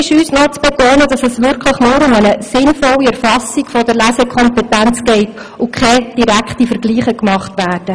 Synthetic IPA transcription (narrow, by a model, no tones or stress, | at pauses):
ɪʃyːsnɔt͡sb̥ɛtoːnəd̥ɑsɛsʋɪɾkʰləχnʊːɾʊmənəsɪnfɔlːiɛɾfɑsikfɔdəɾlæsɛkʰɔmpɛtænt͡sɡ̥ɛɪt | ʊkχɛd̥iɾækχtifəɾɡliːχəkmɑχtʋæːrd̥ə